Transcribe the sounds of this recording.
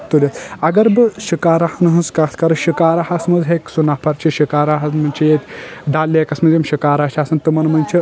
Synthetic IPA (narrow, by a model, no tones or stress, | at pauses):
t̪ulʲet̪ɐɡɐɾbɨʃikaːɾahɐnɦɐ̃nskat̪ʰkɐɾɐʃikaːɾaɦasmɐzɦeksunaːpʰɐɾt͡ʃʰiʃikaːɾaɦɐsmɐnt͡ʃʰijet̪ʲdaːlːiekɐsmɐzʲemʃikaːɾaːʃaːsɐnt̪ɨmɐnmɐnʲt͡ʃʰi